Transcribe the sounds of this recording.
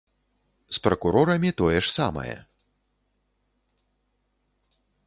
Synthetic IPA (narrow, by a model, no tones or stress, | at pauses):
spɾɐkuɾɔɾɐmʲit̪ɔjɛʂsa̰mɐ̰jɛ̰